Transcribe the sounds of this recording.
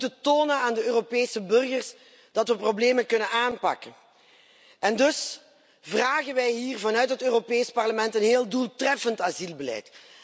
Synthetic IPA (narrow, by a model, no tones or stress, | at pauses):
tətoːnənaːndəøːropeːsəbɵrɣərs | d̥ɑtʋəprobleːmənkɵnənaːnpɑ̰kən | ɛndɵs | vraːɣənʋɛjɦiːrvɑnœɥtɦətøːropeːspɑrləmɛntənɦeːlˠdulˠtrɛfəntazilˠbəlɛ̰jt